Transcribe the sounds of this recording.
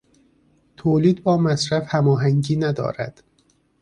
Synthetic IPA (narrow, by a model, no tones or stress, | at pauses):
t̪ʰoːliːd̪bɒːmæsɾæfhæmɒːɦæŋɟiːnæd̪ɒ̰ːɾæ̰d̪̥